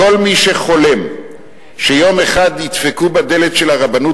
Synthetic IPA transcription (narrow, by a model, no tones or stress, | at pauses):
o̞lmiʃe̞χo̞le̞m | ʃejo̞meχad̪jit̪fekubad̪e̞le̞tʃe̞laʁabanu